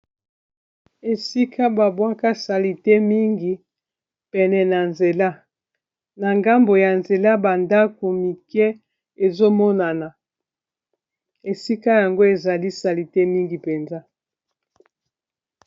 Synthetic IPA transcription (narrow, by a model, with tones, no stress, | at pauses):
e˨si˦kʰa˦ba˨bwa˦ka˦sa˨li˨te˦mi˦ŋɡi˨ | pɛ˨nɛ˨na˨nze˨la˦ | na˨ŋɡa˦mbo˨ja˨nze˨la˦ba˨nda˦ko˨mi˨kɛ˦ | e˨zo˦mɔ˦na˨na˨ | e˨si˦ka˦ja˨ŋɡo˦e˨za˨li˦sa˨li˨te˦mi˦ŋɡi˨pɛ˨nza˦